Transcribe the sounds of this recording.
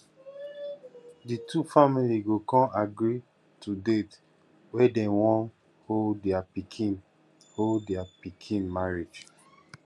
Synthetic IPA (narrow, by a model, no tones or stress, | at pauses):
ditʰufamiliɡokɔ̃naɡɹi | tʰudet | wɛdɛ̃wɔ̃n | hodɛapikʰĩn | holdɛapikʰĩnmaɹid͡ʒ